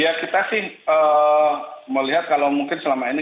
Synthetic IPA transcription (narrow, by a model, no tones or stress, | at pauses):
jakit̪asɪhəː | məliɦat̪̚kalawmuŋkɪnsəlamaini